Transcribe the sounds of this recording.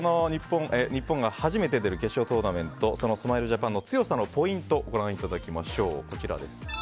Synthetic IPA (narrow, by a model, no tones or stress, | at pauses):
no̞ɲ̟ipːõ̞ŋʔeɲ̟ipːõ̞ŋɡahaʑime̞t̪̬e̞d̪e̞ɾɯ̟ke̞ɕo̞ːt̪o̞ːnamẽ̞nt̪o̞so̞no̞sɨmaiɾɯ̟ʑapãnːo̞t͡sɨjo̞sano̞po̞ĩnt̪o̞ɡo̞ɾãɰ̃it̪ad̪akʲimaɕo̞ːko̞t͡ɕiɾa̰d̪e̞sɨ̥